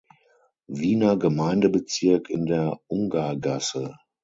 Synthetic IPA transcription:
viːnɐɡəmaɪndəbət͡sɪɐkʰɪndeːɐʔʊŋɡaɐɡasə

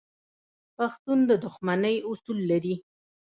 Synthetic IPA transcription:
paxt̪und̪əd̪ʊxmanəjʊsulːaɾi

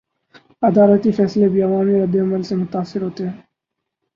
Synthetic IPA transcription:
ɐd̪aːlət̪ifɛːslebiɐʋaːmiɾɐd̪ːeɐməlsemʊt̪aːsɪɾɦoːt̪eɦɛ̃ː

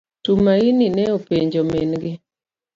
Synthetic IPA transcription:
tumaininɛopeɲd͡ʒomenɡɪ

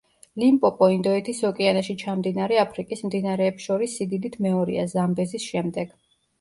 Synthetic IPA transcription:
limpʼɔpʼɔind̪ɔɛt̪ʰisɔkʼianaʃit͡ʃʰamd̪inaɾɛapʰɾikʼismd̪inaɾɛːpsʃɔɾisːid̪id̪it̪ʰmɛɔɾḭa̰zzambɛzisʃɛmd̪ɛɡ̥

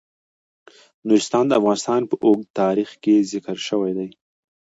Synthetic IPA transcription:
nuɾɪst̪ɑnd̪əafɣɑnɪst̪ɑnpəʔoɡt̪ɑɾixkezɪkəɾʃəwajd̪aj

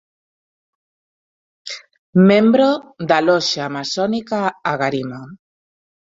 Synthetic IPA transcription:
mẽmbɾod̪alɔʃaːmasɔnikaaɣaɾima

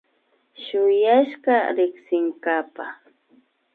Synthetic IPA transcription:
ʃʊjaʃɢɑɾɪksɪŋkapa

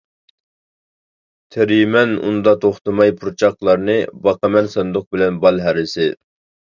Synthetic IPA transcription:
t̪ʰeɾjmɛnṵnd̪ɑt̪ʰoχt̪ɨmɑjpʰuɾt͡ʃʰɑqlˠɑɾnɨbɑqɑmɛnsɑnd̪ʊq̚bɪlɛnbɑlˠɦæɾɪsɪ

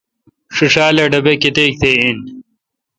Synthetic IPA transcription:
ʂiʂaːlɐɖɐbekit̪eːk̚t̪ʰein

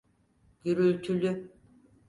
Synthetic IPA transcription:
ɡ̥yɾylʲt̪ʰylʲy

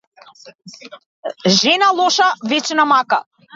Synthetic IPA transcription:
ʒenalˠoʃavet͡ʃnamaka

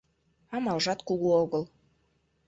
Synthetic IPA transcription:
ɑmɑlˠʒɑt̪kuɣuoɣəlˠ

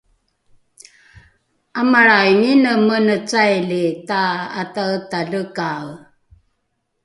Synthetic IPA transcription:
amaɾajŋinəmənət͡sajlitaatataɮəkaw

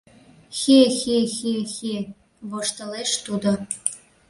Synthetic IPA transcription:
xexexexe | βoʃt̪ɤ̆leʃt̪ud̪o

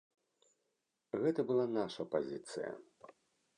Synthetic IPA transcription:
ɣɛt̪ɐbɨlˠanaʂɐpazʲit̪sɨ̰jɐ̰

